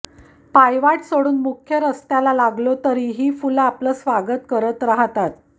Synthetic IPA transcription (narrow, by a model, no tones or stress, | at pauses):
pajʋaʈsoɽuːnmukʰjəɾəst̪jalalaɡlot̪əɾiɦiːfulapləːsʋaɡət̪kəɾət̪ɾaɦt̪at̪